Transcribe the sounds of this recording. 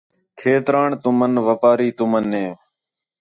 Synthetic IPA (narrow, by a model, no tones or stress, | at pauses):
kʰeːt̪ɾaːɳt̪ʊmənʋəpaːɾiːt̪ʊmənɦẽː